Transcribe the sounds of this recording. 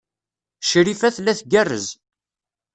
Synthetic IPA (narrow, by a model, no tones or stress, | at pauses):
ʃɾifæθlːæθɡærːə̰z